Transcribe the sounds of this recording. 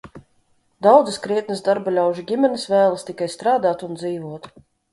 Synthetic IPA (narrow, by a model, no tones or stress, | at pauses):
d̪awd̪zɨskɾiɛt̪nəzd̪aɾbalʲawʒiɡʲimʲɛnɨsvæːlˠɐst̪ikajst̪ɾaːd̪aːt̪und̪ziːvuɔt̪